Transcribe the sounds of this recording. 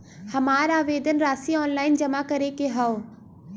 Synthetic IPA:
hɐmaːɾaːʋeːd̪ənɾaːsiɔːnlaːɪnd͡ʑɐmakɐɾekeɦao

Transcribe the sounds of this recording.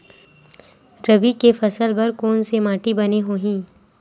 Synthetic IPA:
ɾɐbikefɐsəlbɐɾkoːnsemaːʈibɐneɦoːɦĩː

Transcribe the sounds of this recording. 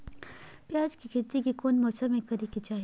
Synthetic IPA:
pjaːd͡ʒkikʰɪt̪ikikoːnmɔːsəɾmẽkɐɾekid͡ʒaːɦi

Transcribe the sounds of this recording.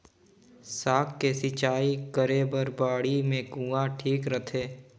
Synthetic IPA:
saːkːesɪt͡ʃaːikəɾeːbəɾbaːɽimẽkũːãʈʰiːkɾət̪ʰeː

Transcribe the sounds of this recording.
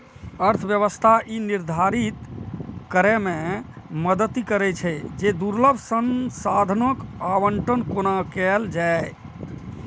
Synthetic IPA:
əɾt̪ʰʋjəβəst̪ʰaʔiniɾd̪ʱaɾit̪kəɾɛmẽ | məd̪ət̪ːikəɾɛt͡ʃʰɛd͡ʒed̪uɾləbʱsənsad̪ʱnokabəɳʈənkonakɛld͡ʒa

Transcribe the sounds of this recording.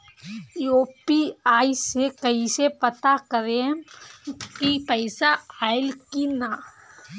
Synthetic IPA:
joːpiaːisekəɦisepət̪akəɾẽ | kipəɪsaaːɪlkina

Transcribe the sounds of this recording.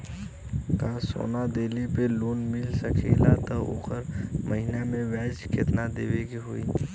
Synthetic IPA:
kaːso̰ːnad̪eːlipeloːnmɪlsəkʰelat̪ɔo̰kəɾməɦinamẽʋɛːd͡ʒket̪nad̪eːʋeɡiɦuːḭː

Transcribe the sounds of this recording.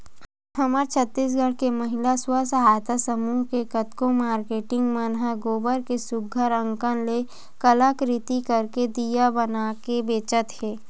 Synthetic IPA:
ɦɐməɾt͡ʃʰət̪ːiːs̬ɡʱəɽkemɐɦɪlaswəsəɦaːjt̪asəmuːɦkekət̪kõmaːɾkeːʈɪ̃ŋɡmənɦaɡoːbəɾkesʊɡʱːəɾə̃ŋkənle | kəlakɾɪt̪ikɐɾked̪ijabɐnakebeːt͡ʃət̪hɛː

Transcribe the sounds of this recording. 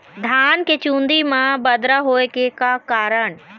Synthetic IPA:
d̪ʱaːnket͡ʃũːnd̪imãbɐd̪ɾəɦoːekekakaːɾəɽ̃

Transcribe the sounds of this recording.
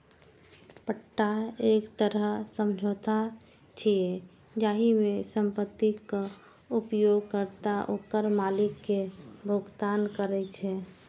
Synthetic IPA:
pəʈːaekt̪əɾəsəmd͡ʒʱoːt̪ʰa | t͡ʃʰie | d͡ʒaːɦimesəmpət̪ːika | upjoɡ̚kəɾt̪aʔokəɾmaːlɪkːebʱoɡt̪aːnkəɾɛt͡ʃʰɛ

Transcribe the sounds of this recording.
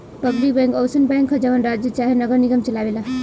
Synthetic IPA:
pəblik̚bãŋkowsənbãŋkʰɦəd͡ʒaʋənɾad͡ʒjət͡ʃaɦenəɡəɾniɡəmt͡ʃəlabela

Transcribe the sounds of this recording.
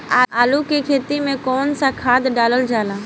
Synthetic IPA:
aːaːlukikʰeːt̪imẽkɔːnsakʰaːd̪ɖaːləld͡ʒaːlaː

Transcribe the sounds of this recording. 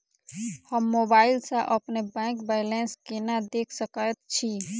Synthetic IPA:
həmːoːbaːɪlsaʔəpnebɛ̃ːkbaɪlẽːnskenad̪eːkʰsəkət̪t͡ʃʰi

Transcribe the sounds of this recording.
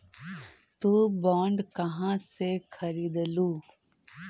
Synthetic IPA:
t̪uːbɔːɳɖkɐɦãsekʰɐɾiːd̪luː

